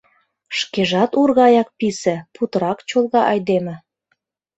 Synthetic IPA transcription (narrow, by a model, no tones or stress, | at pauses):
ʃkeʒɑt̪urɣɑjɑk̚pisĕput̪ɤɾɑkt͡ɕolˠɣɑʔɑjd̪emɘ̆